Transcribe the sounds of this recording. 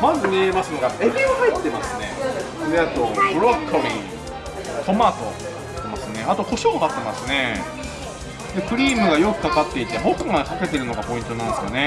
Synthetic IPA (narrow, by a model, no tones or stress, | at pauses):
mazɨmemasɨnoɡaebʲiahait̪ːe̞masɨne̞ | d̪eat̪o̞bɯ̟ɾokʰːobʲḭ | k̪o̞maːt̪o | t̪ːe̞masɨne̞at̪o̞ko̞ɕoːd̪at̪ːemasɨne̞ | d̪e̞kɯ̟ɾʲiːmɯ̟ɡajo̞kɯ̟̥kakat̪ːe̞it̪e̞ɦokaŋakake̞t̪e̞ɾɯ̟no̞ɡapo̞ĩnt̪o̞nãnd̪esɨjo̞̰ne̞